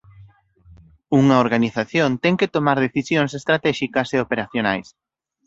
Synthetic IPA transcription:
uŋɐoɾɣaniθaθjont̪ɛŋket̪omaɾð̞eθisjoŋsest̪ɾat̪ɛʃikɐseopeɾaθjona̰js

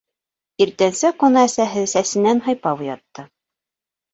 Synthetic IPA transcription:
iɾt̪ænsɘqonɑæsæɦɘsæsɘ̆nænɦɤ̆jpɑwjɑt̪ːɤ

